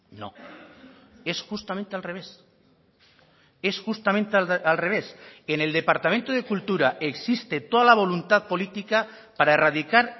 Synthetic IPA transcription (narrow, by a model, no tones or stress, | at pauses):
no̰ | e̞sxust̪ament̪ealree̞s | e̞sxust̪amẽnt̪ealre̞β̞e̞sene̞ld̪e̞paɾt̪ament̪oð̞e̞kult̪uɾaʔe̞ksist̪e̞t̪o̞ðalaβ̞o̞lunt̪aðpo̞lit̪ika | paɾaerað̞ikaɾ